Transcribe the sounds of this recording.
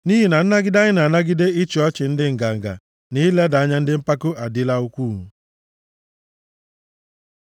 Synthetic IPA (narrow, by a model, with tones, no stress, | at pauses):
ni˦ɦi˦na˨n̩˦na˦ɡɪ˦da˦ɲɪ˦na˨na˦ɡɪ˦de˦ɪ˦t͡ʃi˨ɔ˦t͡ʃɪ˨n̩˦dɪ˦ŋ̩˨ɡa˨ŋ̩˨ɡa̰˨ | nɪ˦la˦da˨a˦ɲa˦n̩˦dɪ˦m̩˦pa˦kʊ˦a˨dɪ˦la˦u˦kʷu˦˨ŋu˦